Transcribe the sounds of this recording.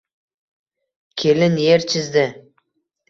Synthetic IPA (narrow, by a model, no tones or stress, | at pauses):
kʲʰelɪnjeɾt͡ʃʰɪzd̪ɪ